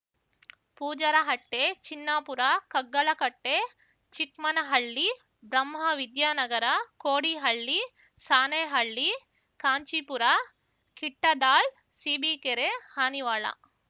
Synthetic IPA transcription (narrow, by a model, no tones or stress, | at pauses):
puːd͡ʒɐɾɐɦɐʈːeːt͡ʃinːaːpuɾakɐɡːɐɭɐkɐʈːeː | t͡ʃikmɐnɐɦɐɭːi | bɾɐmɦɐʋid̪jaːnɐɡɐɾɐkoːɽiɦɐɭːi | saːnɐjɦɐɭːi | kaːɲt͡ʃipuɾa | kiʈːɐd̪aːɭ | siːbikeɾehaːniʋaːɭɐ̰